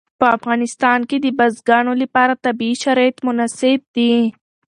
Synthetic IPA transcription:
pəɐfɣaːnɪst̪aːnkid̪ibɐzɡaːnolipaːɾat̪ɐbiːʃɐɾajt̪mʊnasɪb̚d̪i

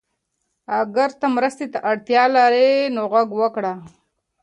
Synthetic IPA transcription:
aɡaɾt̪amɾəst̪et̪aʔaɽt̪jɑlaɾenoɣaɡwəkɽa

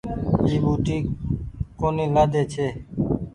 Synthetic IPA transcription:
iːbuːʈiː | koːniːlaːd̪eːt͡ʃʰeː

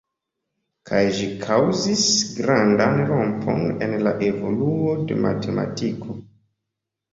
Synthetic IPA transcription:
kʰajʒikʰawzisɡɾandanɾompʰo̞̰ne̞nlaʔevo̞luode̞̰mʔa̰tʰe̞ma̰tikʰo

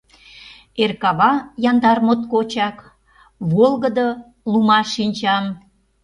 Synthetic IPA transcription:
erkɑβɑjɑnd̪ɑrmot̪̚kot͡ɕɑk | βolɣəd̪ə | lumɑʃinʲt͡ɕɑm

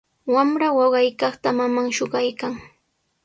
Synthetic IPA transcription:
wamɾawɑɢɑjkɑχt̪amamaŋʃoɢɑjkaŋ

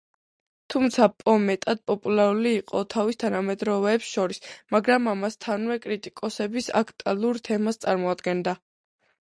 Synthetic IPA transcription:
t̪ʰumt̪sʰapʼɔmɛt̪ʼad̪̚pʼɔpʼulˠaɾuliːqʼɔt̪ʰavist̪ʰanamɛd̪ɾɔvɛːpsʃɔɾismaɡɾamamast̪ʰanwɛkʼɾit̪ʼikʼɔsɛbisa̰kʰt̪ʼalˠuɾt̪ʰɛmast̪sʼaɾmɔad̪ɡɛnd̪a

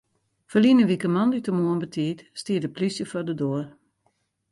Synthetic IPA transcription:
fəlinəʋikəmɑndytəmuənbətʰiːtstiːdəplisjəfɔdədoər

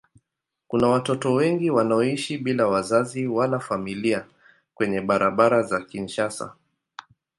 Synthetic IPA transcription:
kunawatɔtɔwɛŋɡiwanaɔiʃiɓilawazaziwalafamilia | kwɛɲɛɓaɾaɓaɾazakin̩ʃasa̰

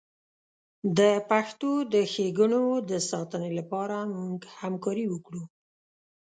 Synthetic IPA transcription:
d̪əpaxt̪od̪əxeɡənod̪əsɑt̪ənelapɑɾamuŋɡhamkɑɾiwəkɽu

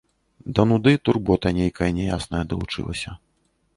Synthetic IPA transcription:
d̪ɐnud̪ɨt̪urbɔt̪ɐnʲejkɐjɐnʲɛjasnɐjɐd̪ɐlˠut͡ʂɨ̰lˠɐ̰sʲɐ

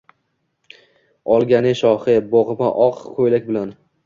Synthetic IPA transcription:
ɒlˠɡʲanɪʃɒhɪbɒʁɨma̰ʔɒqkʰojlakʲbɪlan

